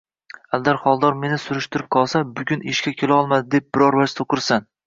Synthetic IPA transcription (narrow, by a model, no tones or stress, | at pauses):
ald̪aɾχɒlˠd̪ɒɾme̞nɪsʊɾɪʃt̪ɪɾɪp̚qʰɒlˠsabʊɡʲʊnɪʃkʲakʲʰelaɒlˠmad̪ɪd̪ep̚bɪɾɒɾvaʃt̪ʰoqɨɾsan